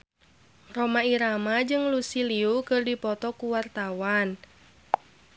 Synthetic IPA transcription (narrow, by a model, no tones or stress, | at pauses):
romaiɾamad͡ʒɨŋlusiliukɨrdipɔt̪ɔkuwart̪awan